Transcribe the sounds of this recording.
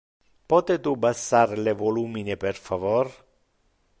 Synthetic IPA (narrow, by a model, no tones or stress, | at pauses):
pɔt̪et̪ubasarlevoluːmineperfavor